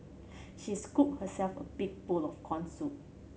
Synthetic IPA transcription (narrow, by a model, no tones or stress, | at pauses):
ʃiskup̚həsɛlfə̰biɡ̚bulɔfkʰɔ̃nsut̚